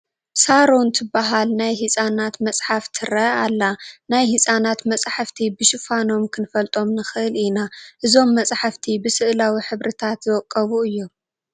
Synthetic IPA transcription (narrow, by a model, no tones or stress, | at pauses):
saɾont̪ʰɨbːaɦalnajɦisʼanat̪mɐt͡sʼħaft̪ʰɨɾɐalːanajhisʼanat̪mɐt͡sʼħaft̪ʰibɨʃɪfano̞mkʰɨnfɐlt̪ʼo̞mnɨxɨʔɨlinaʔɨzo̞mːɐt͡sʼħaft̪ʰibɨsɨʔlawiħɨβɾɨt̪ʰat̪zɨwɔkʼːɐβuɨjːu